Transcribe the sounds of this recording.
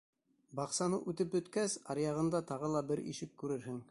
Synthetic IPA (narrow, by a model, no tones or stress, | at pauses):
bɑqsɑnɤʔʉt̪ɘp̚bɵ̆t̪kæsɑɾjɑʁɤ̆nd̪ɑt̪ɑʁɤlˠɑbɘɾḭʃɘkːʉɾɘɾɦɘŋ